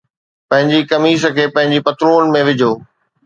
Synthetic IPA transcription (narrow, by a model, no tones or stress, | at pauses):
pɐ̃ɦɪ̃ɲd͡ʑikɐmiːsə̆kʰeːpɐ̃ɦɪ̃ɲd͡ʑipɐt̪ɾoːnɪ̆mẽʋɪd͡ʑʱoː